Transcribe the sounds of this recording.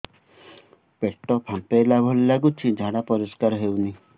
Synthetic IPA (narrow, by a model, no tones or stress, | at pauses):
peʈːɔpʰãt̪ajlabʱɔlilaɡut͡ʃʰid͡ʒʱaɽapɔɾɔskaɾɔɦewni